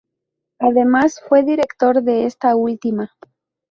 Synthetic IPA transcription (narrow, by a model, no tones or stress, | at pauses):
aðe̞masfwe̞ðiɾe̞kt̪o̞ɾðe̞est̪ault̪ima